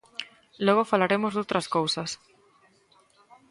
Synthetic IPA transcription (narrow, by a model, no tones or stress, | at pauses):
lɔɣ̞ofalaɾemozðowt̪ɾɐskowsɐs